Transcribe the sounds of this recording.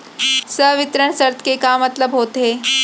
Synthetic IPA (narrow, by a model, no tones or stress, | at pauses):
səɦʋit̪ɾəɳsəɾt̪ʰə̥kekamət̪ləbɦot̪e